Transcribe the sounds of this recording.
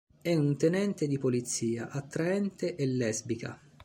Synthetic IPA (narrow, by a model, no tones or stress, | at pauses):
ɛunt̪enɛnt̪ed̪ipolit̪sːiːaʔat̪ːɾaɛnt̪eʔelːɛzbika̰